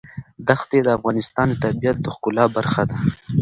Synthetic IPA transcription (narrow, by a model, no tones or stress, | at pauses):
d̪axt̪ed̪əafɣɑnɪst̪ɑnt̪abijat̪̚d̪əxkʊlɑbaɾxad̪a